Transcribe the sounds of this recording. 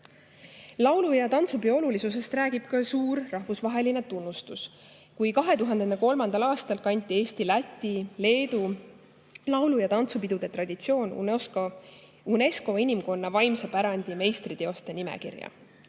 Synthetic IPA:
lɑwlujɑt̪ɑnt̪subio̞lulisuse̞st̪ræːɡ̥ib̥kɑsuːɾːɑhvusvɑɦe̞line̞t̪unːust̪us | kujkɑɦe̞t̪uɦɑnd̪eneko̞lmɑnd̪̥ɑlɑːst̪ɑlkɑnʲt̪ʲːˑie̞ːst̪ilæt̪ʲːˑile̞ːd̪u | lɑwlujɑt̪ɑnt̪supid̪ud̪̥e̞t̪rɑd̪̥ʲit̪sio̞ːnṵsko | une̞sko̞inʲimko̞nːɑvɑjmsɑpæɾɑnʲd̪̥ʲime̞jst̪ɾit̪e̞o̞st̪e̞nimɛ̰kḭrjɑ̰

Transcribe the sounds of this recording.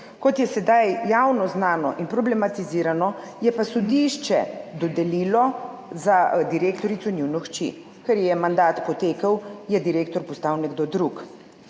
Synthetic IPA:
kɔt̪jɛsɛd̪ajjawnɔznaːnɔʔinpɾɔblɛmat̪iziɾanɔ | jɛpasɔd̪iʃt͡ʃɛ̰d̪ɔd̪ɛliːlɔ | zad̪iɾeːkt̪ɔɾit̪sɔnjuwnɔxt͡ʃḭ | kɛɾjɛmand̪aːt̪pɔt̪eːkəwjɛd̪iɾeːkt̪ɔɾpɔst̪awnɛɡ̚d̪od̪ɾuk

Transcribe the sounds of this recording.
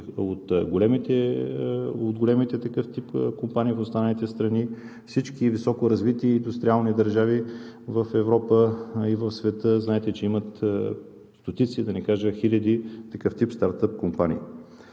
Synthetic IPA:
ot̪ɡolɛmit̪ɛ | od̪ɡolɛmit̪ɛt̪ɐkɤft̪ipkompaniːfʊst̪anəlit̪ɛst̪ɾɐni | fsit͡ʃkivisɔkoɾɐzvit̪iəind̪ust̪ɾialˠnid̪ɐɾʒavivəfɛvɾɔpəivəfsvɛt̪əznaɛt̪ɛt͡ʃɛimət̪ | st̪ot̪it̪sid̪ɐnikaʒəxilʲɐd̪it̪ɐkɤft̪ipst̪aɾt̪əp̚kompanʲḭː

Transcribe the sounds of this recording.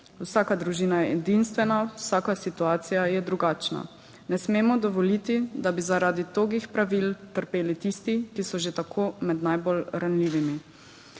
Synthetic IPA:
uwsaːkad̪ɾuʒiːnajɛɛd̪inst̪ʋɛnawsaːkasit̪uaːt̪sijajɛd̪ɾuɡaːt͡ʃna̰ | nɛsmeːmɔd̪ɔʋɔlit̪id̪abizaɾaːd̪it̪oːɡixpɾaʋilt̪əɾpeːlit̪ist̪ikisɔʒet̪akʰoːmɛd̪najbolɾanliːʋimi

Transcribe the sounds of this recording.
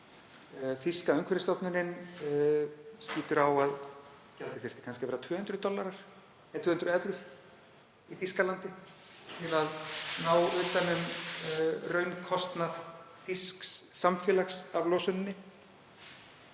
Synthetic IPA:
θiskaœŋkʰvɛɾɪst̪ɔwt̪nʏɾɪn | sciːt̪ʏɾawað | cɛlt̪ɪ̥fɪ̥t̪ɪ̥kʰanscɪvɛːɾat̪ʰvʏːhʏnt̪ɾʏt̪ɔlːaɾaɾ̥ | ɛt̪ʰvʏːʏnt̪ɾʏɛvɾʏð | iθiskalant̪ɪ | t̪ʰɪlaðnaːwʏːt̪anʏm | rœɥnkʰɔst̪nað | fiskssːamfjɛːlaxsavlɔːsʏnɪnːɪ

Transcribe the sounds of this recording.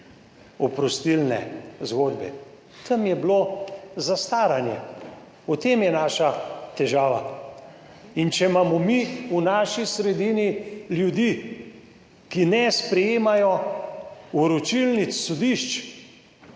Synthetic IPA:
ɔpɾɔst̪ilnɛ̰zɡoːd̪bɛ̰ | t̪ʰəmjɛblozast̪aːɾanjɛ | ut̪eːmjɛnaːʃat̪ɛʒaːʋa̰ | int͡ʃɛmaːmɔmiunaːʃisɾɛd̪iːniljud̪iː | kinɛspɾɛjeːmajɔ | uɾɔt͡ʃilnit̪sːod̪iʃt͡ʃ

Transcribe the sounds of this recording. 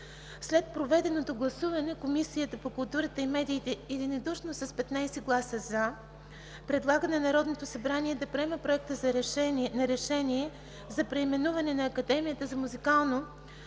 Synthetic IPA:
slɛt̪̚pɾovɛd̪ɛnot̪oɡlˠɐsuvɐnɛkomisijət̪əpokʊlˠt̪uɾɐt̪əimɛd̪iːt̪ɛid̪inod̪uʃnosɐspɛt̪najsɛɡlˠasəza | pɾɛd̪lˠaɡɐnɛnɐɾɔd̪not̪osɐbɾaniɛd̪ɐpɾɛmɛpɾoɛk̚t̪əznɐɾɛʃɛniɛ | zɐpɾɛimɛnuvɐnɛnɐːkɐd̪ɛmijət̪əzɐmuzikalˠno

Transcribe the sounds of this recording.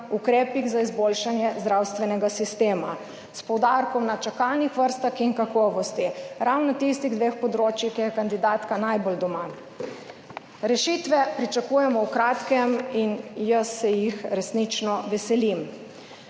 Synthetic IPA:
ukɾɛːpiɣzaizboːlʃanjɛzd̪ɾawst̪ʋɛnɛɡasist̪eːma | spɔwd̪aɾkɔmnat͡ʃakalnixʋəɾst̪axinkakɔːʋɔst̪iɾawnɔt̪ist̪iɣd̪ʋeːxpɔd̪ɾoːt͡ʃixkɛjɛkand̪id̪aːt̪kanajbold̪ɔma | ɾɛʃiːt̪ʋɛpɾit͡ʃakuːjɛmɔwkɾaːt̪kɛminjasːɛjixɾɛsnit͡ʃnɔʋɛsɛlim

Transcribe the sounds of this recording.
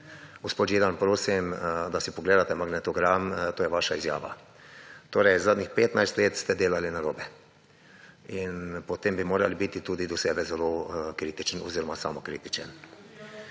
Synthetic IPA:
ɡospoːt̪jed̪anpɾoːsimd̪asipɔɡleːd̪at̪ɛmaɡnɛt̪ɔɡɾamt̪oːjɛʋaʃaizja̰ːʋa̰ | t̪oːɾɛjzaːd̪nixpeːt̪najst̪leːt̪st̪ɛd̪eːlalinaɾoːbɛ | inpɔt̪eːmbimoːɾalibit̪it̪uːd̪id̪ɔsɛːbɛzɛlokɾiːt̪it͡ʃniɔziːɾɔmasa̰ːmɔkɾḭt̪it͡ʃən

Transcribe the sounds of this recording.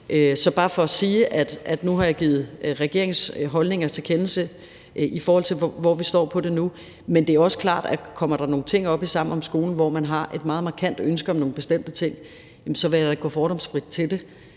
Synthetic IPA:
ʔøsɒ̽b̥ɑ̈ːfɒ̽æsiːʔæd̥æd̥nuɦɑ̈jɑ̈ɡ̥iːð̩ˠʁɛɡ̥e̝̰ɐ̰eŋsɦɒ̽lne̝ŋɐt͡sʰe̝kʰenl̩sə | ʔifɒːhɒ̽l̰t͡sʰe̝ʋɒ̰ʋisd̥ɒ̰ːpʰɒ̽d̥e̝nu | mend̥e̝æɐɒ̽sə̥kʰlɑ̰̈ːd̥ækʰɒ̽m̰ɐɾ̥ɑ̈no̝ːn̩t͡sʰe̝ŋ̰ɒ̽b̥isɑ̈m̰n̩ɒ̽msɡ̥o̝ːln̩ʋɒmænɦɑ̈ʔe̝d̥mɑ̈ːðˠmɑ̈ːkʰæn̰d̥ønsɡ̥ɐɒ̽mno̝ːŋ̩n̩be̝sd̥em̰d̥ət͡sʰe̝ŋ̰ | emsɒ̽ʋeæɡ̥ɔ̰ːfɒːɾɒ̽msfʁid̥̚t͡sʰe̝ld̥e̝

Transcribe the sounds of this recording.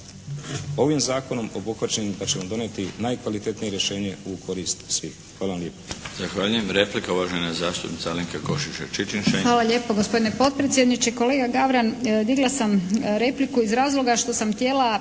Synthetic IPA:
o̞ʋimzaːko̞no̞mo̞buxʋat͡ʃenimpat͡ʃemod̪o̞net̪inajkʋalit̪et̪nijeɾjeʃe̞ːɲeukʰo̞ɾist̪sʋiːxxʋaːlaʋamlʎeːpozaxʋaːʎujemɾe̞plikauʋaʒejnazaːst̪upnit̪aliŋkeko̞ʃit͡ʃet͡ʃit͡ʃinʃexʋaːlaʎe̞ːpoɡo̞spo̞d̪inepo̞t̪̚pɾet̪sjed̪nit͡ʃeko̞le̞ːɡaɡaʋɾand̪iɡlˠasamɾe̞plikuizɾaːzlo̞ɡaʃt̪o̞samt̪je̞ːla

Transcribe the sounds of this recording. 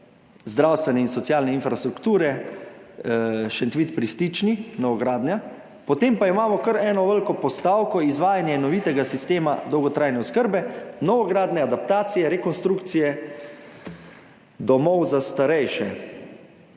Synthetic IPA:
zd̪ɾawst̪ʋɛnɛinsɔt̪sjaːlnɛinfɾast̪ɾukt̪uːɾɛ | ʃɛnt̪ʋit̪pɾist̪it͡ʃninɔʋɔɡɾaːd̪nʲja | pɔt̪empaimaːmɔkəɾɛːnɔʋəlkɔpɔst̪aːwkɔizʋaːjanjɛnɔʋiːt̪ɛɡasist̪eːmad̪ɔwɡɔt̪ɾajnɛɔskəɾbɛnɔʋɔɡɾaːd̪nɛad̪ap̚t̪aːt̪sijɛɾɛkɔnst̪ɾukt̪sijɛ | d̪ɔmɔwzast̪aɾɛjʃɛ

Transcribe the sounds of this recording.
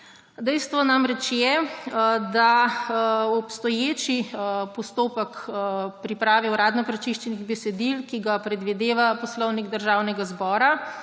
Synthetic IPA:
d̪ɛjst̪ʋɔnamɾɛt͡ʃjɛ | d̪a | ɔpst̪ɔjeːt͡ʃipɔst̪oːpəkpɾipɾaːʋɛwɾaːd̪nɔkɾat͡ʃiʃt͡ʃɛniɣbɛsɛd̪ilkiɡapɾɛd̪ʋid̪eːʋapɔslɔwniɡd̪əɾʒaːwnɛɡazbɔːɾa

